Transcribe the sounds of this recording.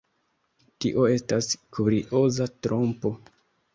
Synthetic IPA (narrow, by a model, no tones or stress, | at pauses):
tiʔo̞e̞staskuɾiʔo̞zatɾo̞mpo̞